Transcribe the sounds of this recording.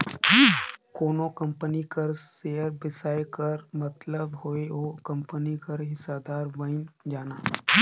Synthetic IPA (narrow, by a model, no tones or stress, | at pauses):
koːnokɐ̃mpənikɐɾseːəɾbɪsaːjkɐɾmɐt̪ləbɦoeoːkɐ̃mpənikɐɾɦɪsaːd̪aːɾʋəɪnd͡ʒaːnaː